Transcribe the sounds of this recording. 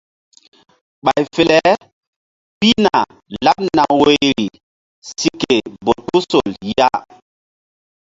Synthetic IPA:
ɓa˨jfe˨lɛ˦ | pi˦na˨ | la˦p̚na˨we˦jɾi˨ | si˨ke˨bo˨tu˦so˨lja˦

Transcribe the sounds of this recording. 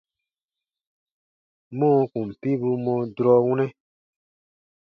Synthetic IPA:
mɔ̃˦˨kũ˨m̩˨pi˦bu˧mɔ̃˧dɾɔ˧wũ˦nɛ̃˦

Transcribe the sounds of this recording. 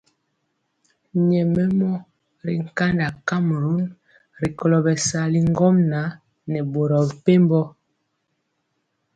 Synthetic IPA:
ɲɛ˨mɛ˦mɔ˦ | ɾḭ˨ŋ̩˨ka˦nda˨ka˦m˨ɾu˦n | ɾi˨kɔ˨lɔ˨bɛ˨sa˨li˦ŋ˦ɡɔ˦mna˨˦ | nɛ˨bo˨ɾɔ˨pe˦m˦bɔ˦

